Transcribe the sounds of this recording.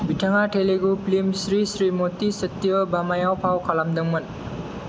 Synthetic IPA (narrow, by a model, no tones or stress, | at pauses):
bʱiʈʰaŋaʈʰeleɡuplimsɾisɾimot̪isʌt̪jʌbamajawpʰawkʰalamd̪ʌŋmʌn